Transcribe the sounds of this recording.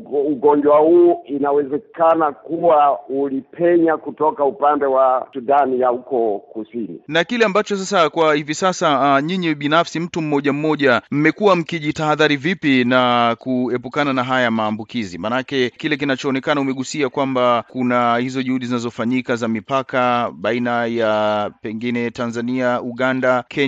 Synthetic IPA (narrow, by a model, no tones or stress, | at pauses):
uɡɔɲd͡ʒwahuinawɛzɛkanakuwaulipʰɛɲakutɔkaupandɛwasuɗanijahukɔkusinḭnakilɛambat͡ʃɔs̬asakwahivisasaɲiɲiɓinafsim̩tum̩ːɔʄam̩mːɔʄam̩mɛkuwam̩kiʄitaːðaɾivipinakuɛpukananaɦajamaːmbukizimanakɛkilɛk̬inat͡ʃɔːnɛkanaumɛɠusiakwambakunahizɔʄuhuɗizinazɔfaɲikazamipakaɓainajapɛŋɡinɛtanzaniauɠandakʰɛ